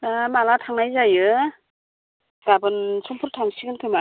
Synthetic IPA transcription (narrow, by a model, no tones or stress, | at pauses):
amalatʰaŋnajzajɯ | ɡabɯnsʰɔŋpʰuɾtʰaŋsiɡɯnkʰɯma